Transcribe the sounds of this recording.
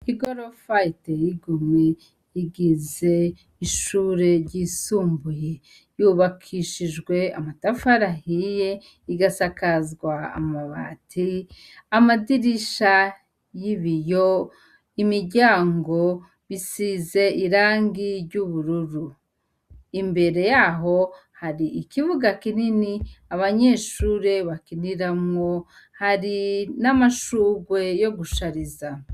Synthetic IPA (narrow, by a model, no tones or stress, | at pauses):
hiɡoɾofaitejiɡume | iɡize̞ | iʃuːɾe̞ɾɟiːsuːmbuje | juːβakʰiʃiʒɡwe̞a̰matafaɾahije̞ | iɡasakazɡwaa̰maβa̰tʰi | amadiɾiʃa | jiβijo | imiɾɟaːŋɡo̞ | βisize̞ʔiɾaːŋɡiɾɟuβuɾuɾu | imbe̞ɾe̞jaːɦo̞ | haɾiikivuɡakininiaβaɲe̞ːʃuːɾe̞βakiniɾamŋo̞ | haɾinamaʃuːɡwe̞jo̞ɡuʃaɾiza